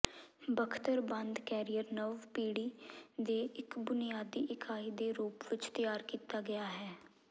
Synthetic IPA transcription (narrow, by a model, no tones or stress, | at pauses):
bəkʰt̪əɾbə̃nd̪kɛːɾijəɾnəʋpiːɽiːd̪eːʔɪkbʊnɪjaːd̪iːʔɪkʰaːiːd̪eːɾuːpʋɪt͡ʃt̪ɪjaːɾkiːt̪aːɡɪjaːɦɛː